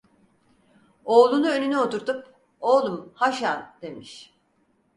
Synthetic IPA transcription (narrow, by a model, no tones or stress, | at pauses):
o̞ːlˠunuønynyo̞t̪uɾt̪up̚ | oːlˠumhaʃand̪̥e̞miʃ